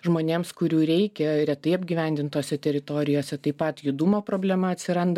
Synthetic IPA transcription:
ʒmoːnʲeːmskʊɾʲuːɾʲɛɪkʲɛɾʲɛt̪ɐɪɐbʲɡʲiːʋʲɛˑnʲd̪ʲɪnt̪oːsʲɛt̪ʲɛɾʲɪt̪oːɾʲɪjoːsʲɛt̪ɐɪpɐt̪jʊd̪uːmoːpɾoːbʲlʲæmɐɐt̪ʲsʲɪɾɐnd̪ɐ

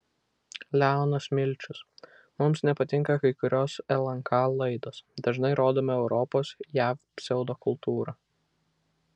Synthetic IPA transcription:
lʲæˑʊnɐsmʲɪlʲˑt͡ʃʲʊs | mʊmsnʲɛpɐt̪ʲɪŋkɐkɐɪkʊɾʲoːsɛlˠɐŋkʰɑlˠɐɪd̪oːsd̪ɐʒnɐɪɾoːd̪oːmʲɐɛʊɾɔpoːsjæːf | sʲɛʊd̪oːkʊlˠt̪uːɾɐ

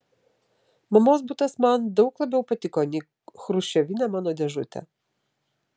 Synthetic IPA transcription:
mɐmoːsbʊt̪ɐsmɑnd̪ɔʊklˠɐbʲɛʊpɐt̪ʲɪkɔnʲi | xɾʊʃʲɛʋʲinʲɛmɑːnod̪ʲɛʒʊt̪ʲɛ̰

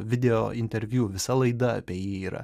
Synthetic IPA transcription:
ʋʲɪd̪ʲɛjoːɪnʲt̪ʲɛɾʲʋʲjuːʋʲɪsɐlˠɐɪd̪ɐɐpʲeɛjiiːɾɐ̰

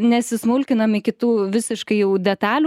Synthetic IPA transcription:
nʲɛsʲɪsmʊlʲkʲɪnɐmɪkʲɪt̪uːʋʲɪsʲɪʃkɐɪjɛʊd̪ʲɛt̪ɑːlʲu

